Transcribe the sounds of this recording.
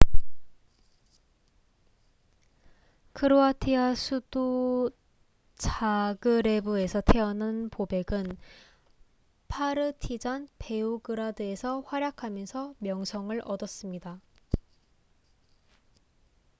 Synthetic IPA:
kʰɯɾoatʰiasʰudo | t͡ɕʰaɡɯɾe̞bue̞sʰʌtʰe̞ʌnɯnpobe̞ɡɯn | pʰaɾɯtʰid͡ʑanpe̞uɡɯɾadɯe̞sʰʌɸwaɾjakʰamjʌnsʰʌmjʌŋsʰʌŋɯɾʔʌdʌs͈ɯmɲida

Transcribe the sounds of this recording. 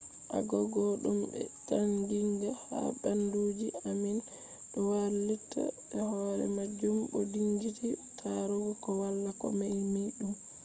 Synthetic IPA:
ʔa̰ɡɔɡɔɗumbɛ̰tandiŋɡaha̰bandud͡ʒiamin | ɗɔwalːitʰa̰ɓɛhɔːɾɛ̰mad͡ʒumbɔdiŋɡititʰaɾuɡɔkɔwalːakɔ̰majmiɗum

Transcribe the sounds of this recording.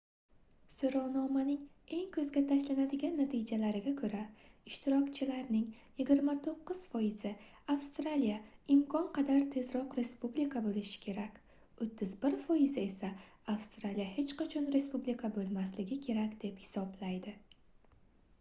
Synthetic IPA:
soɾawnɒmanɪŋ | e̞ŋkʰɵzɡʲat̪ʰaʃlanad̪ɪɡʲanːat̪ʰid͡ʒalaɾɪɡʲakʰɵɾaɪʃt̪ɪɾɒkʲt͡ʃʰɪlaɾnɪŋ | jɪɡʲɪɾmat̪ʰoqːɨz̥fɒjɪzɪ | afst̪ɾalijaɪmkʰɒnqʰɑd̪aɾt̪ʰe̞zɾɒqɾe̞spublikʰabolɪʃɪ̥kʲʰe̞ɾakʲ | ot̪ʰːɪzbɪɾfɒjɪzɪe̞sa | afst̪ɾalijahe̞t͡ʃqɒt͡ʃʰɒnɾe̞spublikʰabolˠmaslɪɡʲɪkʲʰe̞ɾakʲd̪e̞phɪ̥sɒblajd̪ɪ

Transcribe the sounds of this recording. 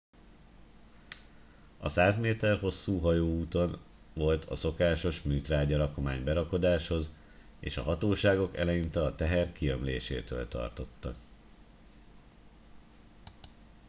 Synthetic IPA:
ɒ̰saːzmeːt̪ɛrho̞sːuːɦɒjoːuːt̪o̞n | vo̞lt̪ʰɒ̰so̞kaːʃo̞ʃmyːt̪raːɟɒɾɒko̞maːɲbɛɾɒko̞d̪aːʃho̞z | ḛːʃɒ̰ɦɒt̪oːʃaːɡo̞kɛ̰lɛjint̪øɒt̪ɛɦɛrkiømlḛːʃḛːt̪ø̰ːlt̪ɒ̰rt̪o̞t̪ːɒk

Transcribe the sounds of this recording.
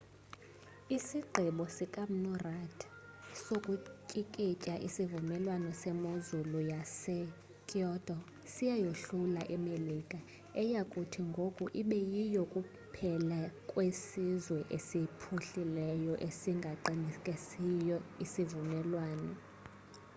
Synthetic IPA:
isiɡ͡ǃʱiɓɔsɛkʼam̩nɔradʰsokʼucʼikʼit͡ʃʼaʔḭsivumɛlwanɔsɛmozulujasɛ | kʼiɔd̥ʱɔ | sijajoɬulaʔɛmelikʼa | ɛjakʼutʰiŋɡʱokʼuʔiɓɛjijɔkʼu | pʰɛlakʼwesizwɛʔesipʰuɬilɛjɔʔesiŋɡʱaǃinikʼesijɔisivumɛlwaːnɔ

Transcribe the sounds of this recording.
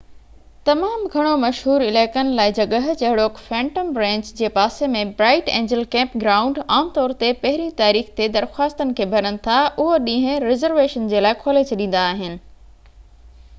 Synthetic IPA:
t̪ɐmaːmɡʱɐɽ̃omɐʃɦuːɾɪlaːkənɪ̆laːɪd͡ʑɐɡəɦ̆d͡ʑɐɦɪɽokfɛ̃ːɳʈəmbɾɛ̃ːɲt͡ɕd͡ʑeːpaːsemẽbɾaːɪʈḛ̃ːɲd͡ʑəlkɛ̃ːmpɡɾaːʊ̃ɳɖaːmt̪ɔːɾt̪epɐɦɪɾit̪aːɾiːxt̪ed̪ɐɾxwaːst̪ənɪ̆kʰeːbʱɐɾənɪ̆t̪ʰaʔʊɦoɗĩːɦə̃ɾɪzəɾʋeːʃənd͡ʑeːlaːɪkʰoːlet͡ɕʰɐɗĩːn̆d̪aːɦɪnɪ̆

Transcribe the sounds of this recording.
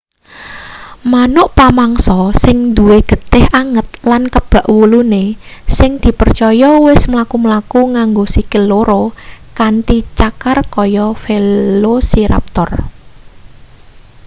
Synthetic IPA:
manʊʔpamaŋsɔsɪŋd̪uweɡ̥ə̤t̪ɪhaŋət̪̚lankəb̥a̤ʔwulunesɪŋd̪̥i̤pərt͡ʃɔjɔwɪsmlakumlakuŋaŋɡosikɪloɾokant̪it͡ʃakarkɔjɔfelosiɾa̰p̚t̪ɔr

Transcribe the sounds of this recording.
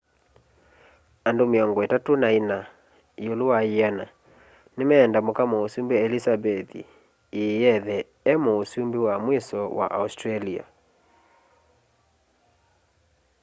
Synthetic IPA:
andomeɔŋɡɔetatonaina | iolowaiɛna | nemɛːndamokamoosumbeɛlisabɛt̪ḭ | ejɛðɛ | ɛmoosumbewamwesɔwa̰ʔa̰ustɾalia̰

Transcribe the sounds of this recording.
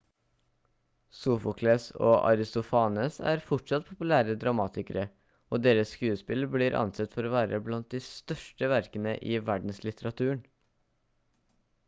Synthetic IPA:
suːfʊkʰleso̰ːʔɑ̰ɾɪst̪ʊfɑːnəsæ̰ːɾfɔʈʂɑt̪pʰʊpʉlæːɾəd̪ɾɑmɑːt̪ʰɪkəɾə | oːd̪eːɾəsskʉːəspɪlbliːɾʔɑ̰nsɛt̪ːfɔɾoːʋæːɾʔə̰blɑnt̪̚d̪ɪːst̪œʂʈəʋæɾkənə̰ʔiːʋæɖɳ̩slɪt̪ʰəɾɑt̪ʰʉːəɳ

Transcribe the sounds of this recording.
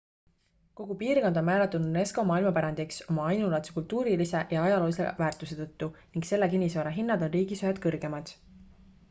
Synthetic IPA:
ko̞ɡ̥upiːrko̞nd̪̥o̞nmæːlɑt̪ːˑud̪une̞sko̞mɑːilmɑpæɾɑnd̪̥ikso̞mɑɑjnulɑt̪sekult̪uːɾilise̞ʔjɑɑjɑlo̞ːlisevæːrt̪ˑuset̪ɤt̪ːuniŋɡse̞lːe̞kinʲːisvɑɾɑɦinːɑd̪o̞nriːɡisyɦed̪̥kɤrɡ̥e̞mɑd̪̥

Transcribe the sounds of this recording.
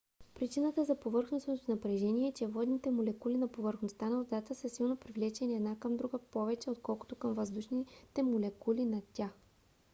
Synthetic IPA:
pɾit͡ʃinət̪əzɐpovɤɾxnosnot̪onɐpɾɛʒɛniɛt͡ʃɛvɔd̪nit̪ɛmolɛkulinɐpovəɾxnost̪anɐvod̪at̪əsɐsilˠnopɾivlɛt͡ʃɛniɛd̪nakəmd̪ɾuɡəpɔvɛt͡ʃɛot̪kɔlˠko̥t̪okɐmvɐzd̪uʃnit̪ɛmolɛkulʲinɐt̪ʲax

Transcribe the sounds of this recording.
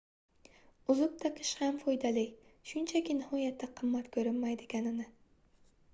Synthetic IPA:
ʊzʊp̚t̪ʰakʲʰɪ̥ʃhamfojd̪alɪjʃʊnt͡ʃʰakʲinɪhojat̪ːaqʰɨmːat̪kʲʰɵɾɪmmajd̪ɪɡʲænɪnɪ

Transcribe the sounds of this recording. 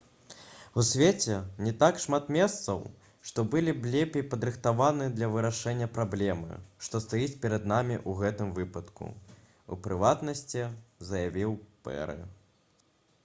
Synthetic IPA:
usʲvʲet͡sʲɛnʲɛt̪akʂmat̪mʲɛst̪sɐ̰w | ʂt̪ɔbɨlʲiblʲepʲipɐd̪ɾɨxt̪avanɨd̪lʲɐvɨɾaʂɛnʲːɐpɾablʲɛmɨ̰ʂt̪ɔst̪ajit͡sʲpʲɛɾɐd̪namʲḭʔuɣɛt̪ɨmvɨpɐt̪kṵ | ṵpɾɨvat̪nɐsʲt͡sʲizɐjavʲiwpɛ̰ɾɨ̰

